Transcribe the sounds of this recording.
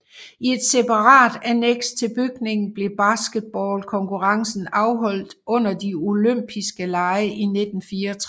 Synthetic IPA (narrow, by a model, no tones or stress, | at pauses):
ie̝d̥sepʰɑ̈ʁɑ̰̈ːd̥æneɡ̥sdt͡sʰe̝lb̥yɡ̥ne̝ŋn̩b̥le̝b̥ɑsɡ̥əd̥̚b̥ɒːlkʰɒ̽ŋkʰuʁɑ̈ŋsn̩ɑ̈ʊɦɒ̽l̰d̥ʔɔ̽n̰ɐd̥io̝løm̰b̥ʰisɡ̥əlɑ̈ɪəʔine̝d̥n̩fiːɐt͡sʰ